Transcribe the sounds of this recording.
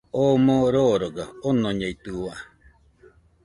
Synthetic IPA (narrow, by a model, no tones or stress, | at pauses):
oːmoɾoɾoɡaonoɲeit̪ɯa